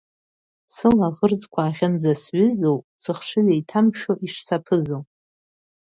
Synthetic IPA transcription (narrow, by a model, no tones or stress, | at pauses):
sɨlaʁərzkʷʰaːʁʲɪnd͡zasɥʏzow | sɨχʃʷɨzejtʰamʃoʔiʂsapʰɨzow